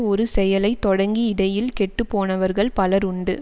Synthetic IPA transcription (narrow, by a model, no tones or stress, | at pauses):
ɔɾɯsɛjɐlɐɪt̪ːɔɽɐŋɡiɪɽɐjɪlkɛʈːɯpːoːnɐʋɐɾɣɐɭpɐlɐɾʊɳɖɯ